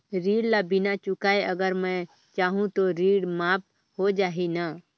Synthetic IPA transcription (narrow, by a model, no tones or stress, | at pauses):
ɾiːɽlabɪnat͡ʃʊkaːeʔəɡəɾmɛ̃ | t͡ʃaːɦũt̪oɾiːɽmaːp̚ | hod͡ʒaːɦina